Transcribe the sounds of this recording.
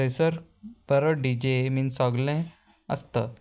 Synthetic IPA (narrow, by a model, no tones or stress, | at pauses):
esəɾpəɾəɖid͡ʑeminsɔɡlẽ | ə̰st̪ə